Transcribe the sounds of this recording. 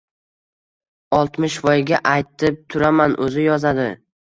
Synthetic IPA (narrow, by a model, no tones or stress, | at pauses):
ɒlˠt̪mɪʃvɒjɡʲaʔajt̪ʰɪp̚t̪ʰʊɾamanʔɵzɪjɒzad̪ɪ